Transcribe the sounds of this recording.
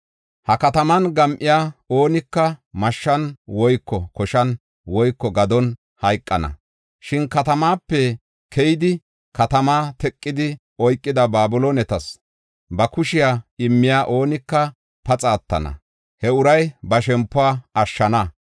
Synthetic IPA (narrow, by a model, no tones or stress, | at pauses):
hɐkɐt̪ɐmɐnɡɐmʔɪjaːo̞ːnɪkːɐmɐʃːɐnwɔjkːɔkɔʃɐn | wɔjkːɔɡɐd̪ɔn | hɐjkʼːɐnɐ̰ | ʃɪnkɐt̪ɐmaːpːɛ | kʰɛjɪd̪ɪ | kɐt̪ɐmaːt̪ɛkʼːɪd̪ɪ | ɔjkʼːɪd̪ɐbaːbʊloːnɛt̪ɐs | bɐkʊʃɪjaːɪmːɪjaːʔo̞ːnɪkːɐ | pɐt͡sʼaːt̪ːɐ̰nɐ̰ | hɛʊɾɐjbɐʃɛmpːʊaːɐʃːɐnɐ